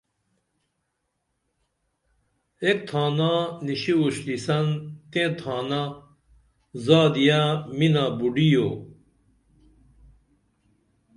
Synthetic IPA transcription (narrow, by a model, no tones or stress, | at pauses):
ek̚t̪ʰaːnaːniɕiuɕlisɐnt̪ẽːt̪ʰaːna | zaːd̪ijaminaːbuɖijoː